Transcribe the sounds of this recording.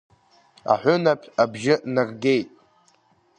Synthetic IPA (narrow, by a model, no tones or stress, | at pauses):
a̰ħʷʊnapʰabʒɪnarɡʲe̞jtʼ